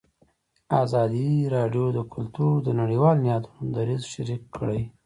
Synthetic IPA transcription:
azɑd̪iɾɑɖjod̪əkʰʊlt̪uɾd̪ənaɽiwɑlnjɑt̪unod̪aɾizʃaɾikʰːɽəj

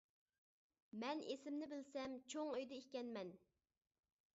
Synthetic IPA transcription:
mɛnʔesɪmnɪbɪlsɛmt͡ʃʰoŋøjd̪ɛihkʲɛnmɛn

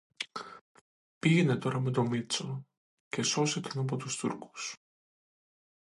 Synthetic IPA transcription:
piʝenet̪o̞ɾɐmet̪omit̪so | cesosek̪inop̬ot̪ust̪ṵɾku̥s

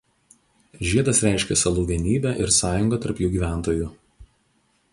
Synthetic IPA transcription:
ʒʲiɛd̪ɐsɾʲæˑɪʃʲkʲɛsɐlˠuːʋʲiɛnʲiːbʲæʔɪɾsɑːjʊŋɡɐˑt̪ɐɾpjuːɡʲiːʋʲæˑnˑt̪oːjʊ

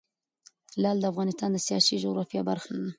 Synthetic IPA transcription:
laːld̪əafɣɑːnɪst̪aːnd̪əsijɑ̰ːsiʒuɣɾɑfijabaɾxln

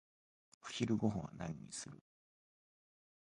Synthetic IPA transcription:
ɸɯ̟̥çiɾɯ̟ɡo̞ɦõwa̰nãɲ̟ːḭsɨɾɯ̟

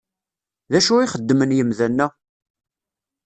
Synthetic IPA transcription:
ðæʃuiχəd̪ːmənjəmðænːæ

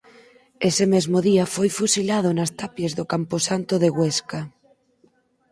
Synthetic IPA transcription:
esemezmoðiafojfusilað̞onast̪apjezðokamposant̪oðeɣweska

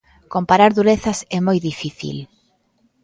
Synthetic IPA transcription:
kompaɾaɾðuɾeθɐsɛmojðifiθḭl

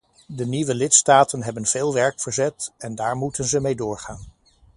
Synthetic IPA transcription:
dəniʋəlɪtstaːtənɦɛbənv̥eːlˠʋɛɹkfəɹzɛtɛndaːɹmutənzəmejdʊːɹχaːn

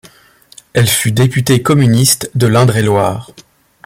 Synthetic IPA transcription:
ɛlfyd̪epyt̪ekɔmynist̪d̪əlɛ̃d̪ʁelwaːʁ

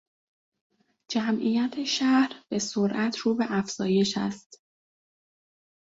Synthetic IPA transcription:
d͡ʒæmʔiːjæt̪ʰe̞ʃæhɾb̥e̞soɾʔæt̪ʰɾuːbe̞ʔæfz̥ɒːje̞ʃæ̰st̪

